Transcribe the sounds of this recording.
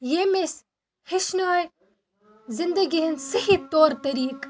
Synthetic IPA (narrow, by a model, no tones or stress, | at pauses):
jemes | hiʃnaːj | zɪnd̪ɐɡʲiɦensɐhit̪oːɾt̪ɐɾiːk